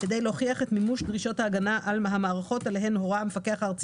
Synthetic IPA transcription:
ked̪ejleoχiaχe̞tmimuʃdʁiʃo̞thaːɡanaʔalaɦamaːʁaχo̞taleɦe̞nho̞ʁamefake̞aχaʁt͡s

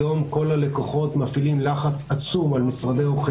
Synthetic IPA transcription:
o̞mko̞lale̞koχo̞t̪mafilimlaχat͡sat͡sumalmisʁad̪eoχ

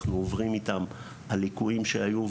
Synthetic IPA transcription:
χnuovʁimit̪am | halikuimʃeajuv

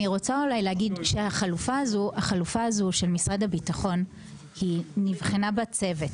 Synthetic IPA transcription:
iʁo̞t͡saulajlehaɡidʃehaχalufaazuaχalufaːzuʃe̞lmisʁadhabitaχo̞n | hinivχenabat͡se̞vet

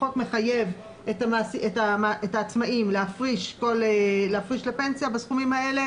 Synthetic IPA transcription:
o̞tme̞χaje̞v | etamaːsietamaʔetaːt͡smaimleafʁiʃko̞leleafʁiʃlepe̞nsijabasχumimhae̞le̞

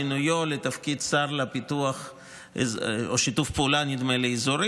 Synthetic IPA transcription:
inujolet̪afkid̪saɾlapit̪uaχ | oʃit̪ufpeulanid̪meleizuɾi

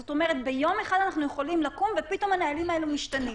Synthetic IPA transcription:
zot̪o̞me̞ʁet̪be̞jo̞me̞χad̪anaχnuje̞χo̞limlakumvepit̪o̞manaalimaelumiʃtani

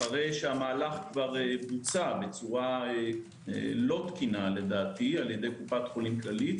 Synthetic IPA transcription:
aʁejʃeamaːlaχkvaʁebut͡sabet͡suʁa | ḛlo̞t̪kinale̞d̪aːt̪ialjed̪e̞jkupat̪χolimklalit̪

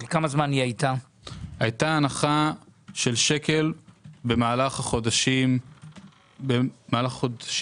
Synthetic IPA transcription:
lkamazmaniajta | hajtaːnaχaʃe̞lʃeke̞lbe̞maːlaχhaχodaʃim | bemaːlaχχodʃ

